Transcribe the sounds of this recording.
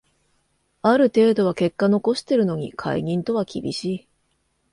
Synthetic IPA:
aɾɯ̟t̪e̞ːd̪o̞β̞ake̞kːano̞ko̞ɕi̥t̪e̞ɾɯ̟no̞ɲ̟ikʰa̰ḭɲ̟ĩnt̪o̞βakʲibʲḭɕiː

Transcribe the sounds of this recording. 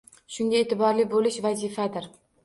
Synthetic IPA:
ʃʊŋɡʲaeːt̪ʰɪbɒɾlɪbolɪʃvazɪfad̪ɪɾ

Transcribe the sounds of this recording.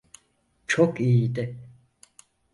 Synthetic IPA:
t͡ʃʰokijid̪ɪ

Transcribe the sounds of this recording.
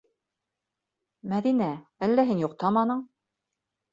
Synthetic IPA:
mæðinæælːæɦinjoqt̪ɑmɑnɤɴ

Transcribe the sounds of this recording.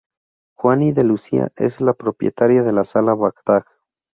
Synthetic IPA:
xwaniðelusia̰ʔeslapɾopjet̪aɾjaðe̞lasalaβakd̪ak

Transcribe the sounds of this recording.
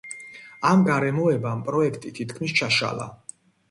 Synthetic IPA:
amɡaɾɛmɔɛbampʼɾɔɛkʰt̪ʼit̪ʰit̪ʰkʰmist͡ʃʰaʃa̰lˠa̰

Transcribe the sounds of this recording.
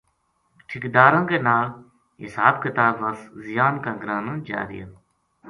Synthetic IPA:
ʈʰɪkd̪aːɾãːkenaː | ɦɪ̰saːbkɪt̪aːbʋɐszijaːnkãːɡɾaːnə̃ːd͡ʒa̰ːɾḭjã̰ː

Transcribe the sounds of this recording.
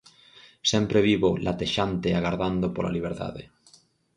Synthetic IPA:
sɛmpɾeβiβolʔat̪eʃant̪eaɣaɾðand̪opola̰liβ̞eɾt̪a̰ðḛ

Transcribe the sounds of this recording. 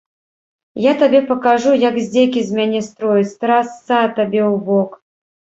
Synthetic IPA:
jat̪abʲɛpɐkaʐujakzʲd͡zʲekʲizʲmʲanʲɛst̪ɾɔjɪt͡sʲt̪ɾasːat̪abʲɛwbɔk

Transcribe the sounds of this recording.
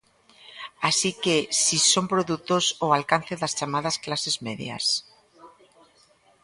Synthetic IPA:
asikesisompɾoðut̪osoalkanθeðast͡ʃamað̞asklasezmeðj̰a̰s

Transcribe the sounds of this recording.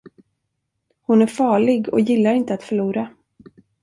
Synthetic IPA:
hʊnæɾfɑːɭɪɡɔ̰jɪlːaɾɪnt̪əat̪fœɭuːɾa

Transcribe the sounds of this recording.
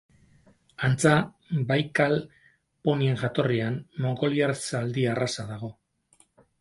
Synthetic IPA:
ant͡sa | bajkal | po̞nie̞ŋʝat̪o̞rianmo̞ŋɡo̞liaɾsald̪iarasaðaɣ̞o̞

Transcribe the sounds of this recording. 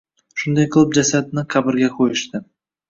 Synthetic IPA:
ʃʊnd̪ajqʰlˠʊp̚d͡ʒasad̪nɪqʰabɪɾɡʲaqʰojɪʃt̪ɪ

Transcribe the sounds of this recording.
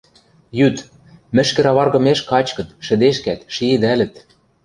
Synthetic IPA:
jyt̪ | mɘ̆ʃkɘ̆ɾɑβɑrɣɤ̆meʃkɑt͡ɕkɤ̆t̪ʃɘ̆d̪eʃkæt̪ʃiɘ̆d̪ælɘ̆t̪

